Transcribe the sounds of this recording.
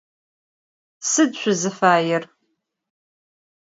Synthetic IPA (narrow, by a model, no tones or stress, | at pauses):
sɨdɕʷʊzɨfaːjɪr